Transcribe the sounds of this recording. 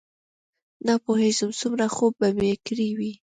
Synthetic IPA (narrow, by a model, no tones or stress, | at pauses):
napohezʊmsumɾaxob̚bamekɾiwi